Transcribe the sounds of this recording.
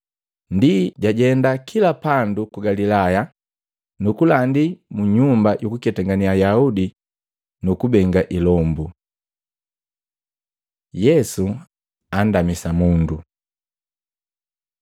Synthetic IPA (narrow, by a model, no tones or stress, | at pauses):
ndiɟaɟɛndakʰilapandukuɡalilaja | nukulandimuɲumbajukukɛtɛŋɡaniajaudi | nukubɛŋɡaʔilɔmbu | jɛsu | andamisamundu